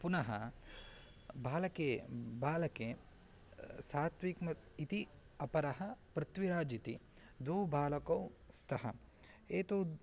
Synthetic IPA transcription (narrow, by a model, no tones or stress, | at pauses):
punɐɦɐ̰ | bʱaːlɐkeːbaːlɐkeː | saːt̪ʋiːkmɐt̪it̪i | ɐpɐɾɐɦɐpɾɪt̪ʋiɾaːd͡ʒit̪i | d̪oːbʱaːlɐkowst̪ʰɐɦɐ | eːt̪oː